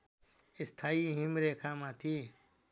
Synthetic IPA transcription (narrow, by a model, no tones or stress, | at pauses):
ɪst̪ʰaːiːɦimɾeːkʰaːmãːt̪ʰiː